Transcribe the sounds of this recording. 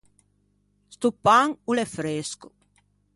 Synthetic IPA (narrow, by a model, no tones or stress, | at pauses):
st̪upːaŋulefɾesku̥